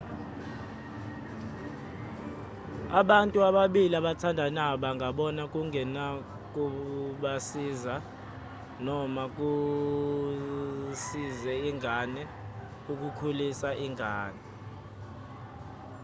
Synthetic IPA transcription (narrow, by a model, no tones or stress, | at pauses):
aɓantʼuaɓaɓiliaɓatʰandʱanaɓaŋʱaɓɔnak̬ʼuŋɡʱɛna | k̬ʼuɓasiːza | nɔmak̬ʼu | sizɛiŋʱanɛ | uk̬ʼukʰulisaʔiŋʱaːnɛ